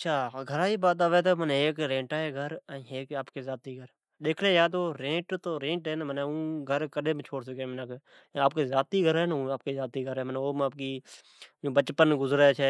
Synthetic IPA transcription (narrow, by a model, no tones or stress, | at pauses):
ət͡ʃʃʰaːɡʱəɾaːiːbaːt̪aːʋeːt̪oːmənːeːkɾẽːʈaːɦeːɡʱəɾəeːkaːpkeːzaːt̪iːɡʱəɾ | ɗ̪eːkʰleːjaːd̪oːɾẽːʈt̪oːɾẽːʈɦɛːnːməneũːɡʱəɾkəɗẽːbt͡ʃʰoːɽsəkeːmnakː | aːp̚keːzjaːt̪iːɡʱəɾɦɛːñːaːp̚keːzaːt̪iːɡʱəɾɛːmənoːmaːp̚kiː | jõːbət͡ʃpənɡʊzɾeːt͡ʃʰɛː